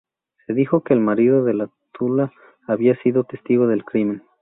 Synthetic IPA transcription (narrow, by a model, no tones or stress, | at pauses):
se̞ðixo̞ke̞ːlmaɾiðo̞ðe̞lat̪ulaː | βiasiðo̞t̪e̞st̪iɣo̞ðe̞lkɾimẽ̞n